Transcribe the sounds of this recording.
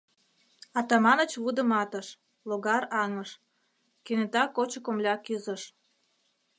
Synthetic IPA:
ɑt̪ɑmɑnə̆t͡ɕβud̪ə̆mɑt̪əʃ | loɣɑɾɑŋəʃ | kenet̪ɑkːot͡ɕəkomlʲɑkyzəʃ

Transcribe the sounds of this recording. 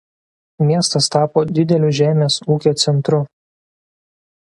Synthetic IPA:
mʲiɛst̪ɐst̪ɑːpoːd̪ʲɪd̪ʲɛlʲʊʒʲæːmʲeːsuːkʲoːt̪sʲɛnt̪ɾʊ

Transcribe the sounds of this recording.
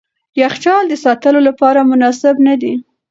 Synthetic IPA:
jaxt͡ʃɑld̪əsɑt̪əlolapɑɾamʊnɑsɪbnad̪i

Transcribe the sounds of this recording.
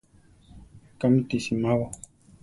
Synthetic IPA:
kamit̪isimaβa

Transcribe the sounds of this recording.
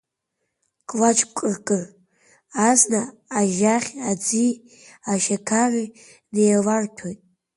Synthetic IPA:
kʼlat͡ʃʼkʷʼɨrkʼɨr | aznaː | ʒaχʲad͡zi | aʃakʰari | nejalartʰojtʼ

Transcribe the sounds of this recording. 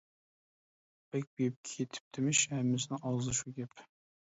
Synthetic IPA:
b̥ɛk̚ʲbep̚kʲʰet̪ʰɪ̥p̚d̪̥ʰɪmɪʃhæmːɪsnɪɑzɨʃuɡʲɛp

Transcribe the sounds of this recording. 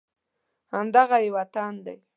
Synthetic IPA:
hand̪ɑɣɑjwat̪and̪a̰j

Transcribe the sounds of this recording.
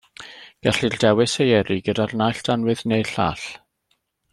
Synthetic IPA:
ɡ̥ɛɬirdɛwɨsejɛɾiɡədarnajɬd̥anwɨðnejɬa̰ːɬ

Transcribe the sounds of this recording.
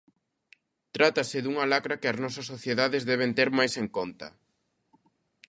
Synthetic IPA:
t̪ɾat̪asɪðuŋɐlakɾɐkɪɐznɔsɐsːoθjeðaðezðɛβ̞ent̪ɛɾmajseŋkont̪ɐ̰

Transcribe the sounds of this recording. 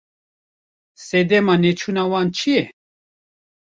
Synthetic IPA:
sɛd̪ɛmanɛt͡ʃʰunawant͡ʃʰijɛ

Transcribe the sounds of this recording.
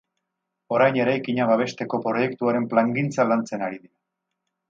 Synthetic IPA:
o̞ɾajne̞ɾajkiɲaβaβ̞e̞st̪e̞ko̞pɾo̞je̞kt̪uaɾe̞mplaŋɡint͡salant͡se̞naɾiðiɾa

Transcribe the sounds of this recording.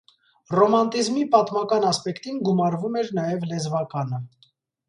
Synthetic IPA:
rɔmɑnt̪izmipɑt̪mɑkɑnɑspɛkt̪inɡumɑɾvumɛɾnɑjɛvlɛzvɑkɑnə

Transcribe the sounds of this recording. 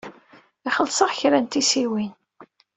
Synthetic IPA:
iχəlsəʁçɾænt̪isiwin

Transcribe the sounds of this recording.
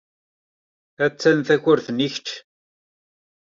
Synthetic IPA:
æt͡sːænθæçʊɾθniçt͡ʃ

